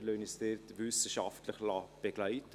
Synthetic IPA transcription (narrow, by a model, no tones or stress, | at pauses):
løːnist̪eɾt̪ʋʏsəʃɑft̪ləχlɑb̥eɡ̥læɪt̪